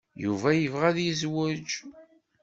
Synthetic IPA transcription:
juvæjəvʁæðjizwəd͡ʒ

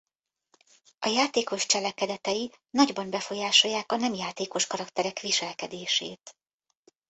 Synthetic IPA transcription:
ʔɒjaːt̪eːko̞ʃt͡ʃɛlɛkɛd̪ɛt̪ɛji | nɒɟbɒnbɛfo̞jaːʃo̞jːaːkɒnɛmjaːt̪eːko̞ʃkɒɾɒkt̪ɛɾɛkʋiʃɛlkɛd̪eːʃḛːt̪

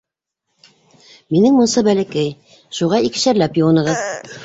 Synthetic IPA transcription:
minɘŋmŭnsɤbælɘ̆kæj | ʃuʁɑik̆ʃæɾlæpjuwɑ̆nɤ̆ʁɤð

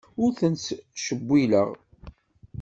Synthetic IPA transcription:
ʊɾθənt͡sʃəbʷːilə̰ʁ

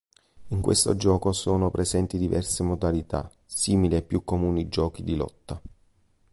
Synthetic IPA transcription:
iŋkwḛst̪o̰d͡ʒɔːkosoːnopɾezɛnt̪id̪ivɛrsemod̪alit̪a̰ | siːmiliepːjukːomuːnid͡ʒɔːkid̪ilɔ̰t̪ːa

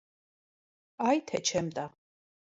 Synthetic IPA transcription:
ajt̪ʰɛt͡ʃʰɛmd̪ʼa

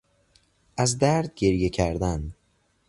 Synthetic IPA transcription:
ʔæzd̪æɾd̪̚ɟe̞ɾje̞cʰæɾd̪æn

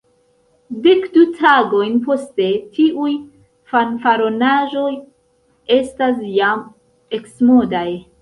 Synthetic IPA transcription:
de̞kdutʰaɡo̞jnpo̞ste̞tiʔuj | fanfaɾo̞naʒo̞j | e̞stas̬jam | e̞ksmo̞daj

